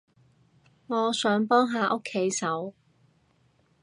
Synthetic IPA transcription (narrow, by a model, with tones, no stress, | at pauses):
ŋɔː˨˧sœː˨˥ŋpɔː˥ŋɦaː˨˧ʔo˥kʰːe˨˥jsɐ˨˥w